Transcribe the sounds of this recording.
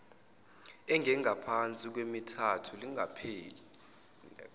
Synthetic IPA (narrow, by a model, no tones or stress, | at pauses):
ɛŋʱɛŋʱapʰant͡sʼik̬wemitʰatʰuliŋapʰeːli